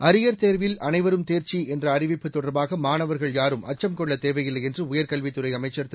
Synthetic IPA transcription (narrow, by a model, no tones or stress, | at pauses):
ɐɾɪjɐɾt̪eːɾʋɪlɐnɐɪʋɐɾɯmt̪eːɾt͡ʃiɛndrɐːɾɪʋɪpːɯt̪ːɔɽɐɾbaːɣɐmaːnɐʋɐɾɣɐɭjaːɾɯmɐ̰t͡ʃːɐmkɔɭːɐt̪eːʋɐjɪlːɐjɛndrɯʊjɐɾkɐɭʋɪt̪ːɯɾɐɪɐmɐɪt͡ʃːɐɾt̪